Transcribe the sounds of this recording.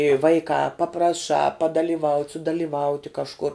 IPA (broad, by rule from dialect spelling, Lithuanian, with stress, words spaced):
ɪ ˈʋɐɪkɑː pɐprɐˈʃɑː pɐdɐlʲɪˈʋɐʊtʲ sʊdɐlʲiːˈʋɐʊtʲɪ kɐʃˈkʊr